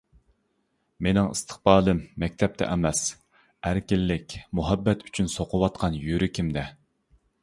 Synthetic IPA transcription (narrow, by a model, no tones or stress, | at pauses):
menɪŋɨ̰st̪ʰə̥χbɑːlˠɨmːɛkʲt̪ʰɛp̚t̪ʰɛ̰ʔɛmɛs | æɾkʲilːɪkʲmuɦɛbːɛt̪ʰy̥t͡ʃʰynsoqʰʊwɑt̪̚qʰɑnjyɾykʲʰimd̪ɛ